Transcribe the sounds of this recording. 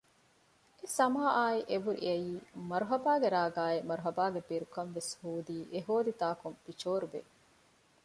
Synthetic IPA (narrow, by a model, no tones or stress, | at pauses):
esɐmaːaːiʔeʋuɾḭɐjiːmɐɾuɦɐbaːɡeɾaːɡaːemɐɾuɦɐbaːɡebeɾukɐnʋeshuːd̪iːʔeɦoːd̪it̪aːkunfit͡ʃoːɾubḛ